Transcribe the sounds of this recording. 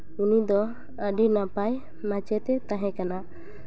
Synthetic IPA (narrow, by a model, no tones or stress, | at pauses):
unid̪ɔ | əɖinapaj | mãt͡ʃɛt̪ɛt̪ãɦɛ̃kana